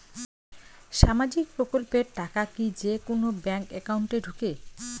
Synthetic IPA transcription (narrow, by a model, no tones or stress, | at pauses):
ʃamad͡ʑik̚pɾokolpeɾʈakakid͡ʑekonobɛŋkɛkauɳʈeɖʱuke